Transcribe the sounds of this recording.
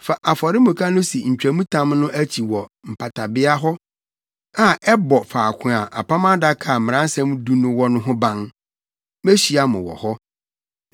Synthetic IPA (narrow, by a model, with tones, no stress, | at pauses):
fa˨ʔa˨fɔ˨ɾɪ˦mʊ̃˨kʰa˦nʊ̃˦si˨ɲ̩˨t͡ɕᶣɾæ˨mũ˦tʰã˦mnʊ̃˦ʔæ˦t͡ɕʰi˨wɔ˨m̩˨pʰa˨tʰa˨bɪ˦a˦ɦɔ˦ | ã˨ɛ˦bɔ˨faː˨kʰʊ̃˨a˨ʔa̰˨pʰa˦mã˦da˦kʰa˨m˨mɪ̃˨ã˦n˦sã˦m˦du˦nʊ̃˦wɔ˦nʊ̃˦ɦʊ̃˦bã˦ŋ | me˦ɕi˨a˦mʊ̰̃˨wɔ̰˨hɔ˦